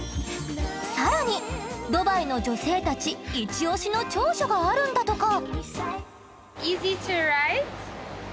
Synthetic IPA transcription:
saɾaɲ̟id̪o̞baino̞d͡ʑo̞se̞ːt̪at͡ɕiit͡ɕio̞ɕino̞t͡ɕo̞ːɕoɡaaɾɯ̟̃nd̪at̪o̞ka | izitʰuɹaɪt

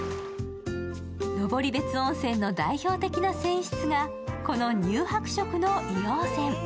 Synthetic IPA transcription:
no̞bo̞ɾʲibe̞t͡sɨõɰ̃sẽ̞nːo̞d̪aiço̞ːt̪e̞kʲinasẽ̞ɰ̃ɕi̥t͡sɨɡa | ko̞no̞ɲ̟ɨːhakɯ̟̥ɕo̞kɯ̟no̞ʔinoːsẽ̞ŋ

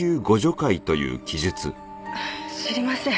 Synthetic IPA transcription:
ɨːɡo̞ʑo̞kait̪o̞jɯ̟̰ːkʲiʑɨt͡sɨ | aɕiɾʲimasẽ

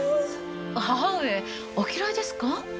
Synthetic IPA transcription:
ae | okʰiɾaed̪esɯ̥ka

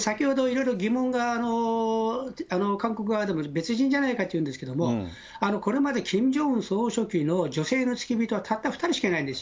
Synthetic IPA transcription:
sakʲiho̞d̪o̞iɾo̞iɾo̞ɡʲimõ̞ŋɡaːno̞ | ano̞kãŋko̞k̬ɯ̟βad̪e̞mo̞be̞t͡sɨʑĩɲ̟d͡ʑanaikat̪ːeiɯ̟̃ːnd̪esɨ̥ke̞d̪o̞mo | ano̞ko̞ɾe̞mad̪e̞kʰʲĩɲd͡ʑo̞ɯ̃ɰso̞ːɕo̞kʲino̞d͡ʑo̞se̞ːno̞t͡sɨ̥kʲibʲit̪o̞at̪ʰat̪ːaɸɯ̥t̪aɾiɕi̥kenaĩnd̪esɨ̥

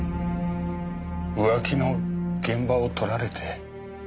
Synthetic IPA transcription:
ɯ̟βakʲino̞ɡ̥ẽ̞mbaot̪ʰo̞ɾaɾe̞t̪ʰe̞

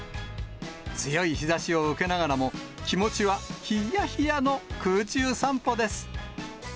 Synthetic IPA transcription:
t͡sɨjo̞içizaɕio̞ɯ̟ke̞naɡaɾamo̞kʲimo̞t͡ɕiβaçijaçijano̞kɯːt͡ɕɨːsãmpo̞d̪e̞sɨ̥

